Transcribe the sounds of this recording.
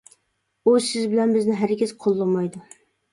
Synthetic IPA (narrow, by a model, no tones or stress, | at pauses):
usɪzbɪlɛnbɪznɪɦæɾɡʲɪz̥qʰolˠːʊmɑjd̪ʊ